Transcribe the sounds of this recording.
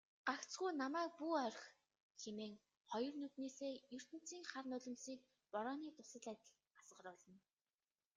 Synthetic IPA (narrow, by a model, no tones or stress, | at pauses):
ɢ̥akt͡sɡujnamæːk̚puːœrʲx | xemeːŋ | χɔjɞ̆rnɵt̪neːseːjɵr̥t̪ɘ̆n̥t͡siːŋχarnʊɮɞ̆msiːk̚ | pɔɾɔːniːt̪ʊsə̆ɮæt̪ʲə̆ɮ | asʁə̆rʊːɮə̆n